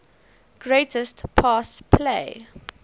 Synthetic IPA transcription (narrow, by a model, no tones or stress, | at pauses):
ɡ̥ɹetəstpʰaspʰleɪ